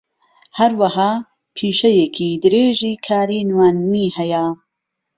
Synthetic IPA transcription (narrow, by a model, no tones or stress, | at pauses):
hɐɾwɐhaː | pʰiːʃɐjekʰiːd̪ɨɾeːʒiːkʰaːɾinwaːnːiːhɛjɐ